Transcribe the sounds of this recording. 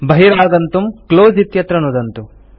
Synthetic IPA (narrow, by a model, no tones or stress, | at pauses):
bɐɦiɾaːɡɐnt̪umkloːd͡ʒit̪jɐt̪ɾɐnud̪ɐnt̪u